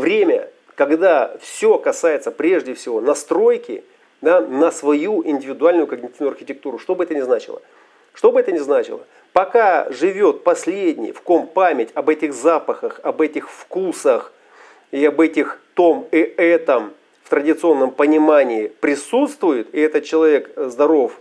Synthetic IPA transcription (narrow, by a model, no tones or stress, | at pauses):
vɾʲemʲə̰ | kɐɡd̪afsʲo̞kɐsajɪt̪səpɾʲe̞ʐdʲɪfsʲɪvo̞nɐst̪ɾo̞jkʲɪ̰ | d̪anəsvɐjuɪnʲdʲɪvʲɪd̪ʊalʲnʊjʊkəɡnʲɪtʲivnʊɐrxʲɪtʲɪk̚t̪uɾʊʂt̪o̞bɨɛt̪ənʲɪznat͡ɕɪ̰lˠə̰ | ʂt̪o̞bɨɛt̪ənʲɪznat͡ɕɪlˠə̰ | pɐkaʐɨvʲo̞t̪̚pɐsʲlʲedʲnʲɪ̰jfkompamʲɪtʲɐbɛtʲɪxzapəxəxɐbɛtʲɪxfkusəx | ɪɐbɛtʲɪxt̪omɪɛt̪əm | ft̪ɾədʲɪt̪sɨo̞nːəmpənʲɪmanʲɪːpɾʲɪsut̪st̪vʊjɪt̪ɪɛt̪ət̪̚t͡ɕɪlˠɐvʲe̞kzd̪ɐɾo̞f